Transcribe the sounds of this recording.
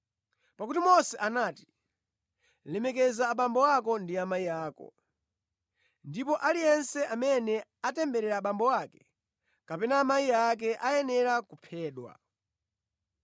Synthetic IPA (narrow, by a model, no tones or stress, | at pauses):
pakutimɔsɛʔanaːti̥ | lɛmɛkɛzaːɓambɔwakɔndiamaijaːkɔ̰ | ndipɔʔalijɛnsɛʔamɛnɛatɛmbɛɾɛɾaɓambɔwakɛ̥ | kapɛnaːmaiak̬ɛʔajɛnɛɾakupʰɛːɗwa̰